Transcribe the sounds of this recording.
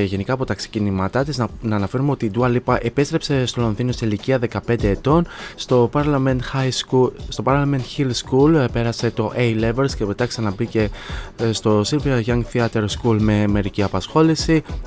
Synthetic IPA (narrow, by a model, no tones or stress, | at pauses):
ʝe̞nikɐːpo̞t̪ɐksi̥cinimɐt̪ɐt̪iznɐːnɐfe̞ɾumeot̪id̪uɐlipɐʔe̞pest̪ɾe̞pse̞st̪o̞lo̞nθino̞siliciɐðe̞kɐpe̞nd̪e̞ːt̪o̞nst̪o̞pɐɐmenxjust̪o̞pɐɾlɐme̞nt̪çilskulpe̞ɾɐse̞t̪o̞ʔejleveɾscepet̪ɐksɐnɐbice̞st̪o̞silviɾɐʝɐŋɡθiɐt̪eɾskulme̞me̞ɾiciɐpɐsxo̞lisi